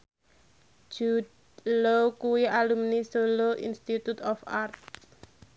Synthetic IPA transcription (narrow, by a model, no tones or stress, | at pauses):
d͡ʒ̥ud | lokuwialumnisoloʔḭnst̪it̪ut̪ɔfart̪̚